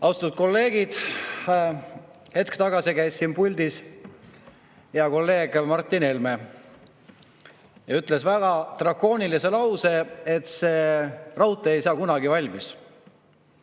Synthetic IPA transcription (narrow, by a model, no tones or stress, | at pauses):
ɑwst̪ɑ̥t̪ud̪̥̚ko̞lːe̞ːɡ̥id̪̥ | he̞t̪̚kt̪ɑɡ̥ɑsikæjsːinpulʲd̪̥is | jɑko̞lːe̞ːɡ̥mɑrt̪ːˑinelme | jɑyt̪ˑle̞svæɡɑt̪rɑko̞ːnilise̞lɑwse̞et̪se̞rɑwt̪ːˑeejsɑːkunɑɡivɑlʲmis